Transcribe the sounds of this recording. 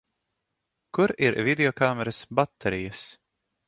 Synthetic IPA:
kuɾiɾvid̪ʲeɔkaːmɛɾasbat̪ʰːɛɾijas

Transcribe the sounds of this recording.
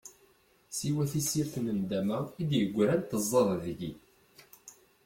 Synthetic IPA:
siwæθisiɾθnənd̪æmæid̪jəɡʷːɾænt̪əzˤːɑðˤðʝi

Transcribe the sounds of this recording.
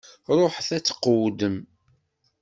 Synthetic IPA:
ɾˤoħθæt͡sːə̥qːwd̪əm

